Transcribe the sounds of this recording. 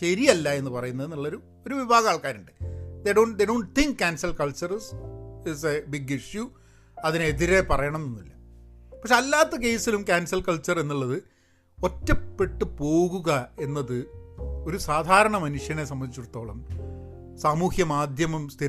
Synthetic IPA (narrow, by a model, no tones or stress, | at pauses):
ɕeɾijɐlːɐe̞nːɨpɐrɐjunːɐðenːuɭːɐoɾu | o̞ɾuʋibʱaːɣɐaːɭkaːɾuɳɖɨ̥d̪eɖoːɳd̪eɖoːɳ̚t̪ʰiŋk̚kʲaːnsɐlkɐɭt͡ɕɐrsisebiɡiʂju | ɐðineðiɾe̞pɐrɐjɐɳɐmenːilːɐpɐkʂeɐlːaːt̪ːɐk̬e̞jsilumkaːnsɐlkɐɭt͡ɕːɐre̞nːuɭːɐðɨ | o̞tːɐpːe̞ʈːɨpo̞ːɣuɣɐe̞nːɐðɨo̞ɾusaːd̪ʱaːɾɐɳɐmɐnuʂjɐnes̬ɐmbɐnːit͡ɕːuɽut̪ːo̞ːɭɐm | saːmuːhjɐmaːd̪ʱjɐmɐmst̪ʰi